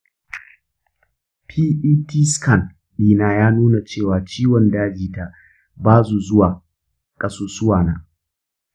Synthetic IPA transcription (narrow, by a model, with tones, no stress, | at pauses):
pʰiː˦ʔiː˦tʰi˦skɐ˦˨n | biː˨naː˨jaː˦nuː˦na˨t͡ʃeː˦˨waː˨t͡ʃiː˦wɔ˨ndaː˦d͡ʒiː˨ta˨ʔ | baː˦su˨zʊ˦waː˨ | kʼɐ˦soː˦sʊ˦waː˨naː˦